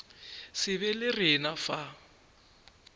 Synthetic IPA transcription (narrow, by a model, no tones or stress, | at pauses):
sɪβɛlɪrɪnafa